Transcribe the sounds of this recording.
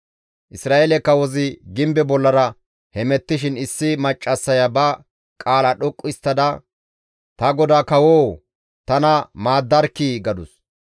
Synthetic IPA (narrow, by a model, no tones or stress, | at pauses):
ʔɪsɾaːʔelɛkːɐwɔzɪɡɪmbɛbɔlːɐɾɐ | hɛmɛt̪ːɪʃɪnɪsːɪmɐt͡ʃʼːɐsːɐjɐbɐ | kʼaːlɐɗɔkʼːɪst̪ːɐd̪ɐ | t̪ɐɡɔd̪aːkɐwoː | t̪ɐnɐmaːd̪ːɐɾkːiːɡɐd̪ʊs